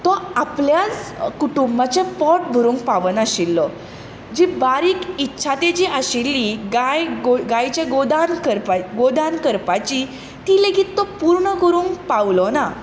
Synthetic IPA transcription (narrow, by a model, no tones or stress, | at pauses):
t̪ɔapljat͡skuʈumbat͡sẽpɔʈ̚bʱəɾũːŋkpaʋənaɕilːɔ | d͡ʑibaɾiːkitːɕʰat̪ed͡ʑiʔaɕilːiɡajɡɡajt͡ɕeɡod̪ankəɾpaɡod̪ankəɾpat͡ɕi | t̪ileɡit̪ːɔpuɾɳəɡoɾũːŋk̚pawlɔna